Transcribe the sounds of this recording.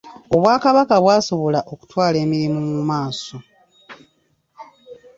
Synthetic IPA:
o̞βwaːkaβakaβwaːso̞βo̞laʔo̞ku̥twaːle̞ːmiɾimumumaːso̞

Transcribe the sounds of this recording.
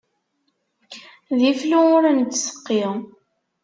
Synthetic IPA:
ðifluʊɾænt͡s̪ːsə̥qːiʁ

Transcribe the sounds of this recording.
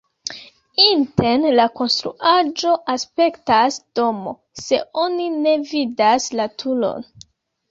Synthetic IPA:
inte̞nlako̞nst̪ɾṵʔad͡ʒo̞ʔaspe̞ktasd̥o̞mo̞̰ | se̞̰o̞nine̞vidaslatʰulo̞̰n

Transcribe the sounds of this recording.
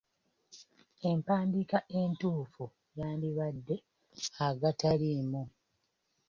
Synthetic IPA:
e̞mpaːndikaʔe̞ntuːfu | jaːndiβadːe̞ | aɡatalimu

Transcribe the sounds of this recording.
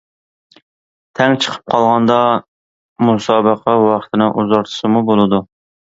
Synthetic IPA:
t̪ʰɛŋt͡ʃʰə̥qʰə̥p̚qʰɑlˠʁɑnd̪ɑ | musɑːbəqʰæwɑχə̥t̪ʰɪnɨʔuzɑɾt̪ʰɨ̥sɨmubolˠɨd̪u

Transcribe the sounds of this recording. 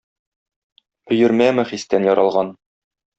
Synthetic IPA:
ɵ̆jɵ̆ɾmæmɘ̆χist̪ænjɒɾʔɑlˠʁɑn

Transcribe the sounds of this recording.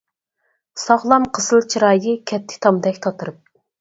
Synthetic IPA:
sɑʁlˠɑmqʰəsɨlˠt͡ʃʰiɾɑːjɨkʲʰɛt̪ʰːɪ̥t̪ʰɑmd̪ɛkʲt̪ʰɑt̪ʰɨɾɨp̚

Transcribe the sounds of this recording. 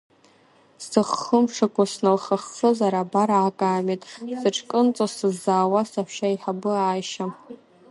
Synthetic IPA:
sɨχəmʂakʷʰasnɨlχaχt͡sɨzaɾabaɾaːkʼaːmetʼsɨʈ͡ʂʰkʼɨnt͡sʼosɨzaːwasaħʷʃaiħabɨaːʃa

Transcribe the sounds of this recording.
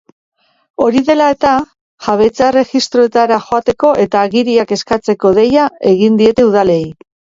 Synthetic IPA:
o̞ɾiðe̞lae̞t̪a | ʝaβ̞e̞t͡sare̞xist̪ɾo̞e̞t̪aɾaxo̞at̪e̞ko̞ʔe̞t̪aːɣiɾiake̞skat͡se̞ko̞ðe̞jae̞ɣind̪ie̞t̪e̞uðale̞j

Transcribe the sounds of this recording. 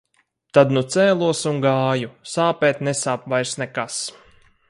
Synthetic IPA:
t̪ad̪nut̪sɛːlˠuɔsuŋɡaːjusaːpɛːt̪nesaːpvajɾsnɛkas

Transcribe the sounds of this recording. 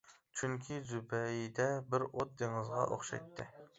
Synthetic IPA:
t͡ʃʰyŋkʲʰizybɛjid̪ɛbɪɾot̪̚d̪eŋɨzʁɑ̰ʔo̰χʃɛ̰jt̪ʰːɪ

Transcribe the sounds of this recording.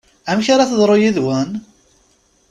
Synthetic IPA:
æmçaɾaθəðˤɾˤojiðwæn

